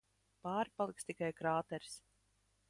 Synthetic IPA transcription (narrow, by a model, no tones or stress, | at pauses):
paːɾipalˠikst̪ikajkɾaːt̪ɛɾs